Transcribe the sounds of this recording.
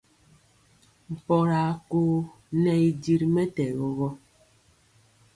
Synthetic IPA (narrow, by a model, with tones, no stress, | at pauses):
m̩˨pɔ˨ɾa˨koː˦ | nɛ˦i˦di˦ɾmɛ˦tɛ˨ɣɔ˦ɣɔ˦